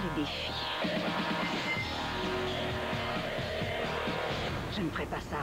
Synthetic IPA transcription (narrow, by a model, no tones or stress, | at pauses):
d̪ed̪efi̥ | wa | ʒ̥ənəfʁɛpasa